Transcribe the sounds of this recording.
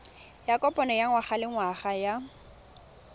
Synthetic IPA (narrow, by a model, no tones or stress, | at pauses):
jakʼɔpʼɔnɛjaŋwaχalɪŋwaχaja